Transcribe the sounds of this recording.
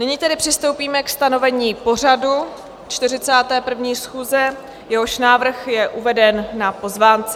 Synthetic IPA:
nɪɲiːt̪ɛdɪpr̝̥ɪst̪o̞wpiːmɛkst̪ano̞vɛɲiːpo̞r̝adu | t͡ʃt̪ɪrɪt͡saːt̪ɛːpr̩vɲiːsxuːzɛ | jɛɦo̞ʃnaːvr̩xjɛʔuvɛdɛnːapo̞zvaːnt͡sɛ

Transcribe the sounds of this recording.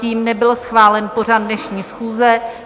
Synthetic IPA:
iːmnɛbɪlsxvaːlɛnpo̞r̝ad̚dnɛʃɲiːsxuːzɛ

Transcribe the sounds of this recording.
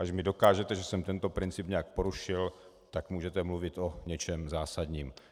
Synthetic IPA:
ʔaʃmɪdo̞kaːʒɛt̪ɛʒɛsɛmt̪ɛnt̪o̞pɾɪnt͡sɪpɲɛak̚po̞ɾuʃɪl | t̪akmuːʒɛt̪ɛmluvɪt̪ʔo̞ɲɛt͡ʃɛmzaːsad̪ɲiːm

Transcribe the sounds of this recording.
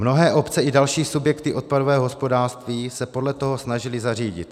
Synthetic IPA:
mno̞ɦɛːʔo̞pt͡sɛʔɪdalʃiːsubjɛkt̪ɪʔo̞t̪̚padovɛːɦoɦospo̞daːrst̪viːsɛpo̞dlɛt̪o̞ɦo̞snaʒɪlɪzariːɟɪ̰t̪

